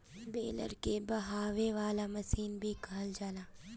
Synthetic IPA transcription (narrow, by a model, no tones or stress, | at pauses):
beːlə̰ɾkebɐɦaːʋeʋaːlamɐsiːnbʱikɐɦəld͡ʒaːlaː